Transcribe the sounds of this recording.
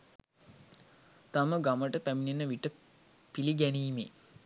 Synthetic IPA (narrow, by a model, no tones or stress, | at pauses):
t̪aməɡaməʈəpæminenəʋiʈə | piliɡæniːme